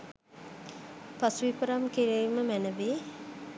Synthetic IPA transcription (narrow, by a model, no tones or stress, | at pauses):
pasuʋipəɾamkiɾiːməmænəʋi